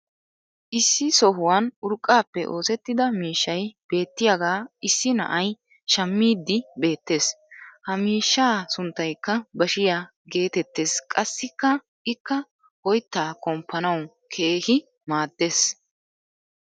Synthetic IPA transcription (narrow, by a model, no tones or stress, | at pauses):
ʔɪsːɪsɔɦʊwaːnʊɾkʼːaːpːɛʔo̞ːsɛt̪ːɪd̪ɐmiːʃːɐjb̥e̞ːt̪ːɪjaɡaːɪsːɪnɐ̰ʔɐj | ʃɐmːiːd̪ːɪbe̞ːt̪ːe̞ːs | hɐmiːʃːaːsʊnt̪ːɐjkːɐbɐʃɪjaː | ɡe̞ːt̪ɛt̪ːe̞ːskʼɐsːɪkːɐ | ʔɪkːɐ | hɔjt̪ːaːkʼɔmpːɐnɐw | kʰe̞ːhɪ | maːd̪ːe̞ːs